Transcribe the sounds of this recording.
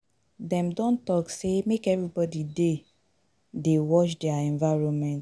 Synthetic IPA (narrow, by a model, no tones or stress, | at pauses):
dɛ̃mdɔ̃ntɔksemekɛvɹibɔdide | dewɔt͡ʃdɛaɛ̃nvaɹɔ̃nmɛ̃nt